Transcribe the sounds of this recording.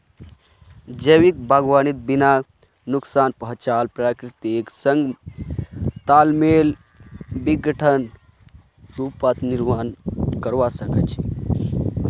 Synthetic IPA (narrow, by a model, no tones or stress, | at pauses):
d͡ʒəwik̚bʱaːɡʋaːnit̪̚bina | nuksaːnpəɦʊ̃t͡ʃaːlpɾaːkɾit̪iksəŋɡ | t̪aːlmeːl | biɡəʈʰən | ɾuːpat̪niɾmaːnkəɾʋasəkʰət͡ʃʰi